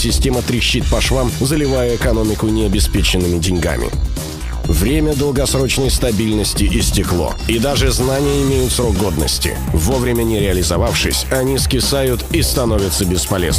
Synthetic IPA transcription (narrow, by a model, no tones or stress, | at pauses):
sʲɪsʲtʲe̞mət̪ɾʲɪɕːit̪̚pɐʂvamzəlʲɪvajəɪkɐno̞mʲɪkʊnʲɪɐbʲɪspʲet͡ɕɪnːɨmʲɪdʲɪnʲɡa̰mʲɪ̰ | vɾʲemʲəd̪əlˠɡɐsɾo̞t͡ɕnəjst̪ɐbʲilʲnəsʲtʲɪʔɪsʲtʲɪklˠo̰ɪd̪aʐɨznanʲɪjəɪmʲejʊt̪sɾo̞ɡɡo̞d̪nə̰sʲtʲɪ̰ | vovɾʲɪmʲənʲɪɾʲɪɐlʲɪzɐvafʂɨ̰sʲɐnʲiskʲɪsajʊt̪ist̪ɐno̞vʲɪt̪səbʲɪspɐlʲḛz